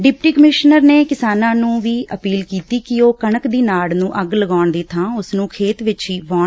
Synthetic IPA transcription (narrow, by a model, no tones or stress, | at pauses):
ɖɪp̚ʈiːkəmɪʃnəɾneːkɪsaːnãːnũːʋiːʔəpiːlkiːt̪iːkɪoːkəɳəkd̪iːnaːɽnũːʔəɡləɡaːɳd̪iːt̪ʰãːʊsnũːkʰeːt̪ʋɪt͡ʃiːʋaːɳ